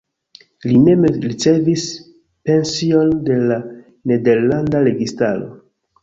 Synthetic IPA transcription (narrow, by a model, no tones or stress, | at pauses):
line̞mɾit͡se̞vis | pe̞nsio̞nde̞la | ne̞de̞ɾlandaɾe̞ɡistaɾo̞̰